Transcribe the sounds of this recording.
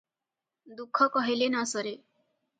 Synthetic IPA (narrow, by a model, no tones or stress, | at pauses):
d̪ukʰːɔkɔɦilenasɔɾe